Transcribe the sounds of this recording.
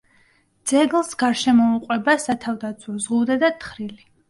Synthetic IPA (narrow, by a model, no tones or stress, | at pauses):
d̪z̥ɛɡlˠsɡaɾʃɛmɔuqʼwɛbasat̪ʰavd̪at̪sʰwɔzʁud̪ɛd̪at̪ʰχɾili